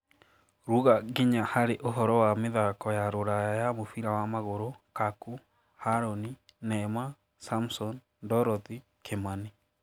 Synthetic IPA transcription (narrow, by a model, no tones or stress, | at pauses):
ɾuɣaɣeɲahaɾeʔoɦɔɾɔwameðakɔjaɾoɾajajamofiɾawamaɣoɾokaku | haɾɔninɛma | samsɔn | dɔɾɔði | kʰemani